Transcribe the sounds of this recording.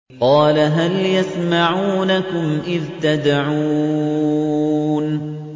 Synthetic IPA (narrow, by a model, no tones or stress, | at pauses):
qɑːlaɦaljasmaʕuːnakʊmʔɪɾt̪ad̪aʕuː | n